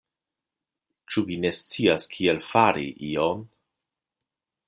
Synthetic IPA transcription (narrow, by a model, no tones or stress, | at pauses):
t͡ʃuvine̞st͡siaskʰielfaɾḭʔion